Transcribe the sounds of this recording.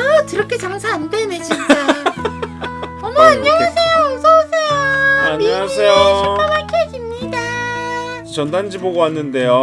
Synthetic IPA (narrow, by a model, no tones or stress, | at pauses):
atɯɾʌkʰet͡ɕaŋsʰaandened͡ʑint͡ɕ͈a | ʌmʌaɲːʌŋasʰejoosʰoasʰejoaɲiiasʰejoɕʰip͈amaɭkʰeɡimɲida | t͡ɕʌndand͡ʑiboɡowanːɯnde̞jo